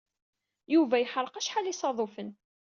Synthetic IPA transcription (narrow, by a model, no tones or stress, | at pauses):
juvæjħəɾˤqæʃħalisˤɑðˤofən